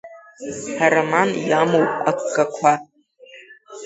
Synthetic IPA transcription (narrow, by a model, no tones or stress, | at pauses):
haɾamanjamowpʼakʼːakʷʰa